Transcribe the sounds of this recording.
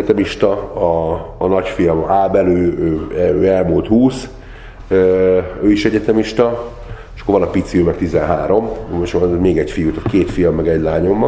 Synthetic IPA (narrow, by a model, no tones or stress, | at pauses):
ɛt̪ɛmiʃt̪ɒɒːnɒcfijɒmaːbɛløːøːɛøːɛlmult̪huːs | øːøːiʃɛɟɛt̪ɛmiʃt̪ɒ | eʃɒ̥kːovɒnɒpit̪siøːmɛk̚t̪izɛnɦaːɾo̞mʃmeːɡɛcfijut̪okeːt̪fijɒmːɛɡɛɟlaːɲo̞mː